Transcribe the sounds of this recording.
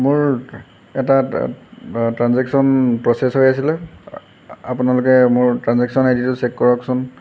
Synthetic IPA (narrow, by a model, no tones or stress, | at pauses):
mʊɹ | ɛta | tɹanzɛksɔnpɹɔsɛsɦojasilɛ | apʊnalʊkɛmʊɹtɹanzɛksɔnajditʊsɛkkɔɹɔksɔn